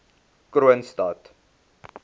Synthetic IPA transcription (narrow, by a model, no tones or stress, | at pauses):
kɾuənstɐt